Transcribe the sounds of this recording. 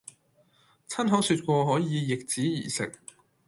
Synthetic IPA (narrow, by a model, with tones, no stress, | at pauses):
t͡sʰɐ˥nɦɐ˨˥syː˧t̚kʷɔː˧ɦɔː˨˥jiː˨˧jɪ˨k̚t͡siː˨˥jiː˨˩sɪ˨k̚